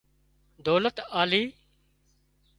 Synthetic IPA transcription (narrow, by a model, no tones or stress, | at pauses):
d̪oːlət̪aːliː